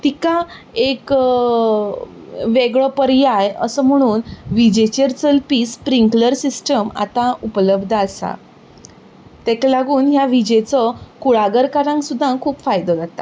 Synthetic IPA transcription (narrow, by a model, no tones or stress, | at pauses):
t̪ika | ek | ʋeɡɭəpəɾjajəsəm̤əɽ̃uːnʋid͡ʑet͡ɕəɾt͡səlpiːspɾiŋkləɾsisʈəma̰t̪aupələbd̪ʱasa̰ | t̪eklaɡuːnɦjaʋid͡ʑet͡sɔkuɭaɡəɾkaɾãŋksud̪ʱːãkʰuːpfajd̪ɔd͡zat̪a̰